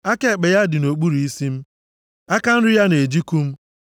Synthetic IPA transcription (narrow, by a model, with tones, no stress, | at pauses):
a˦ke˨k͡pe˨ja˦dɪ˨no˨k͡pu˦ɾi˨i˦si˦m̩˦ | a˦ka˦n̩˦ɾɪ˦ja˦ne˨d͡ʒi˦ku˦m̩˦